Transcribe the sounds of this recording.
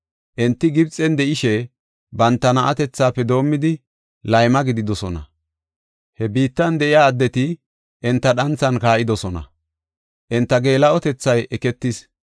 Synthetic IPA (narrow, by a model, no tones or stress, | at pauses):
ʔɛnt̪ːɪɡɪbt͡sʼːɛnd̪ɛʔɪʃɛ | bɐnt̪ːɐnɐʔɐ̰t̪ɛt͡sːaːpːɛd̪o̞ːmːɪd̪ɪ | lɐjmɐɡɪd̪ɪd̪ɔsɔnɐ̰ | hɛbiːt̪ːɐnd̪ɛʔɪjaːd̪ːɛt̪ɪ | ʔɛnt̪ːɐɗɐnt͡sːɐnkaːʔɪd̪ɔsɔnɐ̰ | ʔɛnt̪ːɐɡe̞ːlɐʔɔt̪ɛt͡sːɐjʔɛkɛt̪ːɪs